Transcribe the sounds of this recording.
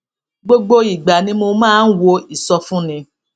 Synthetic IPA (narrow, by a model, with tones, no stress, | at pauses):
ɡ͡bo˦ɡ͡bo˦i˨ɡ͡ba˨nĩ˦mo˧mãː˦n̩˦wo˧i˨sɔ˧fũ˦nĩ˧